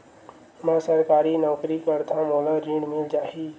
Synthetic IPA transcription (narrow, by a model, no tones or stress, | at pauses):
mãːsəɾkaːɾiːnɔːkɾiːkəɾt̪ʰãːmoːlaːɾiːɳmɪld͡ʒaːɦiː